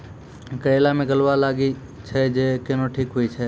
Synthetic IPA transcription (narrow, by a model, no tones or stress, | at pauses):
kəɽelamẽɡəlʋalaɡi | t͡ʃʰed͡ʒekenoʈʰikɦoit͡ʃʰe